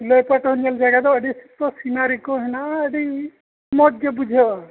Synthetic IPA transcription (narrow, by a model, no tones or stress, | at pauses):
lojpaʈɦunald͡ʒaɡad̪ɔəɖisit̪ɔsinaɾikɔɦɛnaəɖi | mɔt̪̚d͡ʒebud͡ʒʱɔ